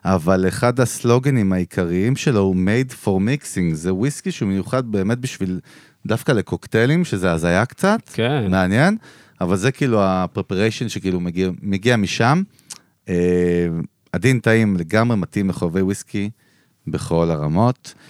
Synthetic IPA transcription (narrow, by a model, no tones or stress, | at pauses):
ʔavaleχadaslo̞ɡenimaikʰaʁiimʃeloumejdfo̞ʁmiksiŋɡzewiskiʃeumejuχad̪̚be̞ːme̞t̚biʃvil | dafkale̞koktelimʃezeazajakt͡satkemeanje̞n | avalzekiiluapʁepaʁejʃonʃekiːlumeɡimeɡiamiʃam | e | adintaimle̞ɡamʁematimleχove̞jwiski | be̞χo̞laʁamo̞t